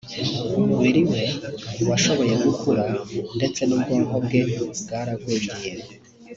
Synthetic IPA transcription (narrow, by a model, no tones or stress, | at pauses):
wiɾimewaʃo̞βo̞je̞ɡukuɾande̞t͡se̞nub̚ɡoːmobɡe̞bɡaːɾaɡweːɟije